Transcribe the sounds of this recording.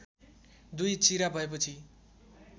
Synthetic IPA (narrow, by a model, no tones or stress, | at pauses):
d̪ujt͡siɾabʱʌep̬ʌt͡sʰi